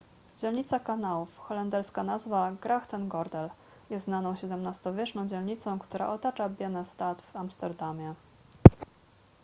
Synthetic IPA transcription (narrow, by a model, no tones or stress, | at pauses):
d͡ʑɛlɲit̪sakanawufxɔlɛnd̪ɛɾskanazvaɡɾaxt̪ɛnɡɔɾd̪ɛl | jɛsnanɔ̃w̃ɕɛd̪ɛmnast̪ɔvʲjɛt͡ʂnɔ̃w̃d͡ʑɛlɲit̪sɔ̃w̃kt̪uɾa̰ʔɔt̪at͡ʂabʲjɛnɛst̪at̪vamst̪ɛɾd̪amʲjɛ